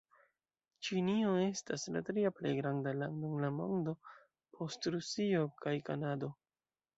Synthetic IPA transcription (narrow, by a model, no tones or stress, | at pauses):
t͡ʃinio̞e̞stasla̰tɾiaplḛjɡɾandaladunlamo̰ndo̞ | pʰo̞stɾusio̞kʰajkanado̞